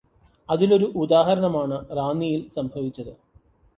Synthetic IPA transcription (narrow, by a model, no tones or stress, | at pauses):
ɐðilo̞ɾuʔud̪aːɦɐɾɐɳɐmaːɳɨraːnːijilsɐmbʱɐʋit͡ɕːɐðɨ